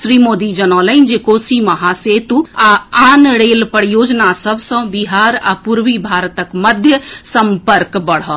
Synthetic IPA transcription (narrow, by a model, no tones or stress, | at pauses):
ʃɾiːmoːd̪id͡ʒənɔːləɪnd͡ʒekoːsimɐɦaseːt̪uaaːnɽeːlpəɽjoːd͡ʒnasəbʱsə̃biɦaːɾa̰puɾwibʱaːɾt̪əkməd̪ʱjəsə̃mpəɾkbəɽ̤ɔː